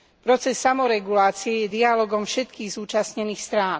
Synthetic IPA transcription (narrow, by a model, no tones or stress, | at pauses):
pɾɔt͡sɛsːamɔɾɛɡulaːt͡siɛjɛd̪ialɔɡɔmfʃɛt̪kiːɣzuːt͡ʃasɲɛniːxst̪ɾaːn